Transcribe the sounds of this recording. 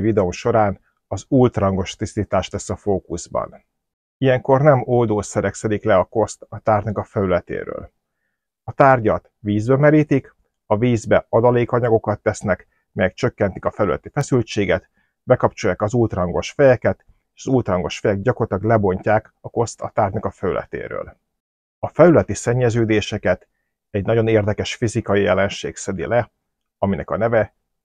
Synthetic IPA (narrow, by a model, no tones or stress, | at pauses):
vid̪ɛomʃo̞ɾaːn | ɒzuːlt̪rɒŋɡo̞ʃt̪ist̪iːt̪aːʃt̪ɛsɒfoːkuzbɒ̰n | ijɛŋko̞rnɛmoːd̪oːsɛɾɛksɛd̪iklɛɒko̞st̪ɒt̪aːrnɒkɒfɛlylɛt̪ḛːɾø̰ːl | ɒt̪aːrɟɒt̪ | ʋiːzbɛmɛɾiːt̪ik | ɒviːzbɛɒd̪ɒleːkɒɲɒɡo̞kɒt̪ːɛsnɛk | mɛjɛkt͡ʃø̞kːɛnt̪i̥kɒfɛlylɛ̰t̪ifɛsylt͡ʃeːɡɛt̪ | bɛkɒpt͡ʃo̞jaːkɒzuːlt̪rɒŋɡo̞ʃfɛjɛkɛt̪ | eʃɒzuːlt̪rɒŋɡo̞ʃfɛjɛɡ̚ɟɒkort̪ɒɡlɛbo̞ɲcaːk | ɒko̞st̪ɒ̰t̪aːrɟnɒkɒfɛlylʔɛ̰t̪ḛːɾø̰ːl | ɒfɛlylɛt̪isɛɲːɛzøːd̪eːʃɛkɛt̪ | ɛɟnɒɟo̞neːrd̪ɛkɛʃfizikɒjijɛlɛnʃḛːksɛd̪ḭlɛ | ɒminɛ̰kɒ̰nɛvɛ